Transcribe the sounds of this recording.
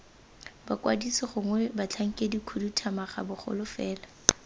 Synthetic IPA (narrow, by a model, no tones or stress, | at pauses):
bakwa̰disɪχʊŋwɛbat͡ɬʰaŋ̩kʼedikʰudutʰamaχa̰bʊχɔ̰lʊfɛːla